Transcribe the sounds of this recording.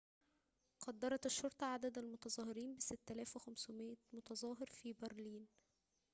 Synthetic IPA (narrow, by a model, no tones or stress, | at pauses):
qɑd̪ːɑɾˤɑt̪ɪʃːoɾˤt̪ˤɑʕad̪æd̪ælmot̪ɑzˤɑːhɪɾiːnbɪsɪt̪ːælæːfwexæmsʊmeʔæmot̪ɑzˤɑːɦɪɾfiːbæɾliːn